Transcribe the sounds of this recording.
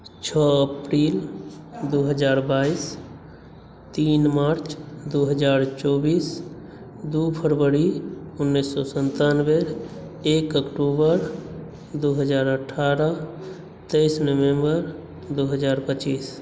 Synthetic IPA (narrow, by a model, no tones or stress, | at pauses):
t͡ʃʰɔəpɾild̪uɦəd͡ʒaːɾbais | t̪inmaɾt͡ʃʰd̪uɦəd͡ʒaːɾt͡ʃɔbis | d̪upʰəɾʋəɾiunːisːɔsənt̪anbeɾ | ekəkʈubəɾ | d̪uɦəd͡ʒaːɾəʈʰːaɾə | t̪ejsnəʋembəɾ | d̪uɦəd͡ʒaɾpət͡ʃis